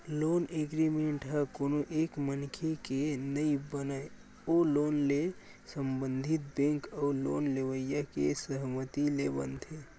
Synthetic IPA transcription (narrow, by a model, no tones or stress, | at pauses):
loneɡɾimeɳʈɦəkonoʔekmənkʰekenəibənae | olonle | səmbənd̪ʱit̪̚bẽŋkaulo̰nleʋəjjakesəɦmət̪ilebə̰nt̪ʰe